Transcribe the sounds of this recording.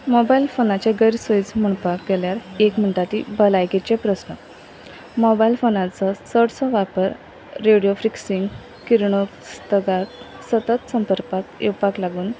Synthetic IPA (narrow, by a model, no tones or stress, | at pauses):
mobailfonat͡ɕẽɡəjɾsoit͡sm̤əɳpakɡeljaɾekm̤əɳʈat̪ibəlajket͡ɕepɾəsnə | mɔbailfonãt͡sɔsəɽsɔʋapəɾː | eɽijofɾiksiŋɡ | kiɾɳokst̪əɡak | sət̪ət̪səmpəɾpakewpaklaɡuːn